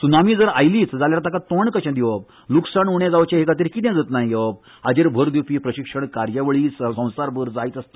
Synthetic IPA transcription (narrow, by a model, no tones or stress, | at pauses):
sunamiːd͡zəɾajliːt͡sd͡zaljaɾt̪akat̪oɳkəɕãd̪iʋəb̚ | luksaɳuɳɛ̃d͡zaʋt͡ɕẽɦekat̪̬iːɾkit̪jãd͡zət̪naɦjjeʋəb̚ | ad͡ʑeɾbʱəɾd̪upiːpɾəɕikʂəɳkaɾjaʋəɭiːsəsə̃w̃saɾbʱəɾd͡zait̪əst̪ə